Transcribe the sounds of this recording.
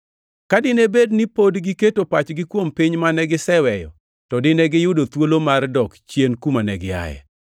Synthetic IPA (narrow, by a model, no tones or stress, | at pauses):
kadɪnebednipodɡɪketopat͡ʃɡɪkwompiɲmanɛɡɪsɛwɛjɔ̰ | tɔdɪnɛɡɪjʊdot̪wolomardɔkt͡ʃjenkumanɛɡɪa̰jɛ̰